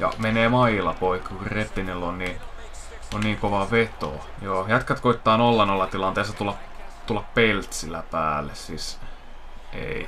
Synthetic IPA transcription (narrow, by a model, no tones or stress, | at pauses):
jɑ̰meneːmɑilɑpoikːɑkkurret̪ːinilːonni | onniːŋkoʋɑʋet̪o̰ | joːjæt̪kæt̪koit̪ːɑːnolːɑnolːɑt̪ilɑnt̪eːsɑt̪ulːɑp | t̪ulːɑppelt̪silæpæːlːˑessis | ḛi